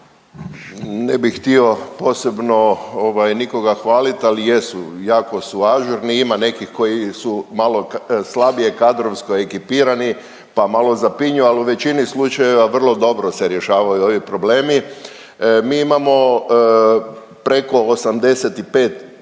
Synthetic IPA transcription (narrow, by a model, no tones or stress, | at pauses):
nebixxt̪io̞po̞ːse̞bnooʋajniko̞ɡaxʋaːlit̪alije̞sujaːko̞suaʒuɾniimane̞kixko̞jisumalˠo̞kslˠabiekad̪ɾo̞ʋskoe̞kipiːɾani | pamalˠo̞zapiɲualuʋe̞t͡ʃinislˠut͡ʃaje̞ʋaʋr̩lˠo̞d̪o̞bɾoseɾje̞ʃaːʋajuo̞ʋipɾo̞bleːmi | miːimamo̞ | pɾe̞ko̞ːsamd̪e̞set̪ipe̞ːt̪